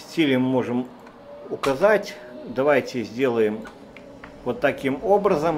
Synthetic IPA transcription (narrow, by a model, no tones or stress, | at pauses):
sʲtʲilʲɪmːo̞ʐɨm | ʊkɐzatʲ | d̪ɐvajtʲɪzʲdʲe̞lˠəjɪm | vot̪ːɐkʲimo̞bɾəzəm